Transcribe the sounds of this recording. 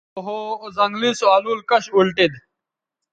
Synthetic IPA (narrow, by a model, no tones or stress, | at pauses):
oɦozɐŋɡlisoaːluːlkɐɕulʈid̪